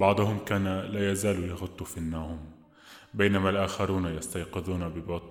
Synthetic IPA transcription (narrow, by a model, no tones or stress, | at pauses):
bɑʕd̪ˤʊhʊmkaːnalaːjazaːlujaɣʊt̪ˤːufinːaːhʊm | baːnamalʔaːxɑɾuːnajɑst̪ajqɪðuːnabɪbɑt̪ˤ